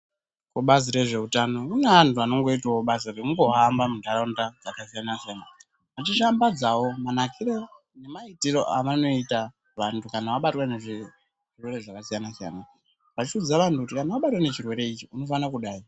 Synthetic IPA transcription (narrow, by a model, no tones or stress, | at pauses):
kuɓaziɾe̞ʐe̞utano̞uneʋantʰuano̞ŋɡo̞itaoɓazikuŋɡo̞ɦambamundʱaɾondad͡zakas̬ijanasijana | mat͡ʃiʃambad͡zawo̞manakʰiɾe | ne̞maitiɾo̞ʔaʋano̞ita | ʋantʰukanaʋaɓatwaneʐi | ʐirwe̞ɾeʐakasijanasija̰na | ʋat͡ʃiud͡zaʋantukutikanawaɓatwene̞t͡ʃirwe̞ɾe̞it͡ʃiuno̞fanakuɗaːi